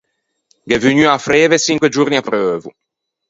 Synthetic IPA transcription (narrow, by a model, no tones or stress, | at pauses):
ɡɛvyɲyafɾeːvesiŋkwed͡ʒurniapɾøːvu